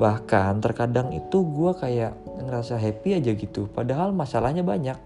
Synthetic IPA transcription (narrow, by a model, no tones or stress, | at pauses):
bahkant̪ərkadaŋḭt̪uɡuakajaʔŋəɾasaɦepiad͡ʒaɡit̪upadaɦalmasalahɲabaɲak̚